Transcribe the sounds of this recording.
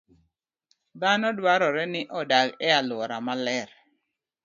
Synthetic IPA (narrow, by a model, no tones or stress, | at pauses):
d̪anɔdwaɾɔɾɛnɪʔɔdaɡɛalwɔɾamalɛɾ